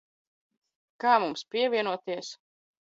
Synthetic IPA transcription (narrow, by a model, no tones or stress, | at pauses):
kaːmumspʲiɛvʲiɛnuɔt̪iɛs